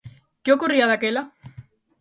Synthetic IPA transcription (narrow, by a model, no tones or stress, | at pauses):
keokuriaðakela